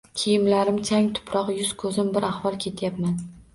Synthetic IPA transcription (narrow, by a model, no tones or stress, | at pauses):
kʲʰijɪmlaɾɪmt͡ʃʰaŋt̪ʰʊ̥pʰɾɒqjʊz̥kʰɵzɪmbɪɾahvɒlˠkʲʰe̞t̪ʰjapman